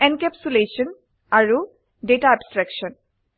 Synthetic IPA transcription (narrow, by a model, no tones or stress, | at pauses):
ɛnkɛpsulesɔn | aɹu | detaabstɹɛkʃɔn